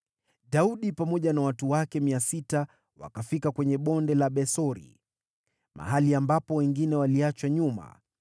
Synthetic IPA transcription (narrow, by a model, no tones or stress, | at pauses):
ɗauɗipamɔʄanawatuwakɛmiasita | wa̰kafikakwɛɲɛɓɔndɛlaɓɛsɔɾḭ | ma̰ɦaliambapɔwɛŋɡinɛwaliat͡ʃwaɲuma̰